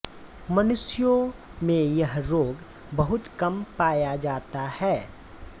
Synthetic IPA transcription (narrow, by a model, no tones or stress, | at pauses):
mɐnʊsjõmẽjɐɦɾoːɡ | bɐɦʊt̪kɐmpaːjad͡ʒaːt̪ahɛː